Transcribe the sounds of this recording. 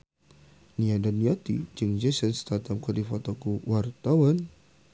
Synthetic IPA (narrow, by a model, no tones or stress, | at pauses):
niadanːijat̪id͡ʒɨŋd͡ʒɛsənst̪at̪amkɔdifat̪ɔkuwʔart̪awan